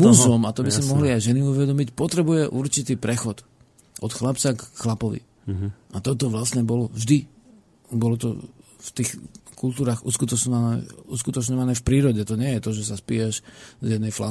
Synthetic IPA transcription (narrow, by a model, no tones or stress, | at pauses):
uzɔmat̪ɔbisimɔɦliajʒɛniuʋɛd̪ɔmicpɔt̪ɾɛbujɛʔuɾt͡ʃit̪iːpɾɛxɔt̪ | ʔɔt̪xlapt͡sakxlapɔʋḭ | at̪ɔt̪ɔʋlasɲɛbɔlɔʒd̪i | bɔlɔt̪ɔ̰ft̪iːxkult̪uːɾaːɣuskut̪ɔt͡ʃɲɔʋanɛ̰uskut̪ɔt͡ʃɲɔʋanɛːfpɾiːɾɔɟɛt̪ɔɲɪɛjɛt̪ɔʒɛs̬aspijɛʃzjɛd̪nɛjfla